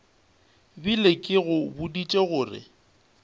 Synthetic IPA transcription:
bilekʼɪɣʊbʊdit͡ʃʼeɣʊːrɪ̰

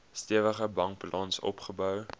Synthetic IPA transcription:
stiəvəχəbɐŋkplɑnsɔ̰pχəbœw

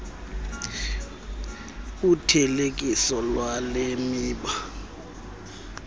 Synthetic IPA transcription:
utʰɛlek̬ʼisɔlwalemiːɓa

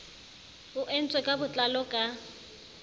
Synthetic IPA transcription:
ʊʔɛn̩t͡sʼwɛkʼabʊt͡ɬʼalɔkʼa

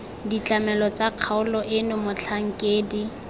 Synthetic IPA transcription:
dit͡ɬʼamɛlɔt͡saq͡χʰaʊlɔʔɪnʊmʊt͡ɬʰaŋ̩kʼeːdi

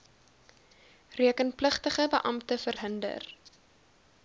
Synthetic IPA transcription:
riəkənpləχtəχəbəʔɐmtəfərɦəndə̰r

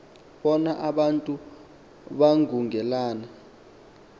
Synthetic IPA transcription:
ɓɔnaʔaɓantʼu | ɓaŋʱuŋʱɛlaːna

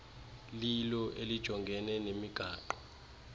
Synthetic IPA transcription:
lilɔʔelid̥ʒ̥ʱɔŋɡʱɛnɛnemiɡ̥ʱaːǃɔ

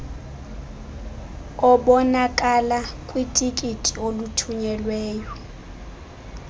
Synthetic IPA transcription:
ɔɓɔnakʼalakʼwitʼikʼitʼiolutʰuɲɛlweːjɔ

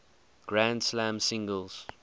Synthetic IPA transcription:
ɡ̥ɹãndslãmsɪ̃ŋɡəlˠz̥

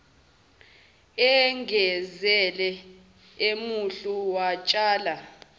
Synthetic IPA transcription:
ɛŋʱɛzɛlɛ | emuɬuwat͡ʃʼaːla

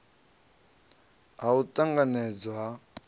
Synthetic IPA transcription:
ɦautʼaŋɡanɛd͡zwa

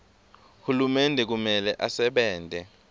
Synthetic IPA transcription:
hulumɛndʱɛk̬umɛlɛʔasɛɓɛːndʱɛ

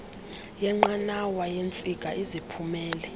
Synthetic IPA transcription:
jɛŋ͡ǃanawajent͡sʼiɡ̥ʱʼaʔizipʰumɛːlɛ

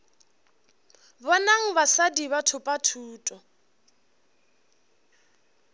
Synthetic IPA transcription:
bɔnaŋ̩basadiβatʰʊpʼatʰuːtʼɔ

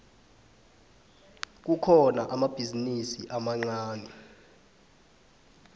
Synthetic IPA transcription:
k̬ukʰɔna̰ʔamab̥ʱizinisiʔamaŋ͡ǀaːnɛ

